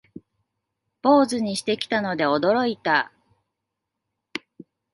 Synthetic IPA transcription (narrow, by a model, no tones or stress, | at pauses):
b̥o̞ːzɨɲ̟iɕi̥t̪e̞kʲi̥t̪ano̞d̪e̞o̞d̪o̞ɾo̞it̪a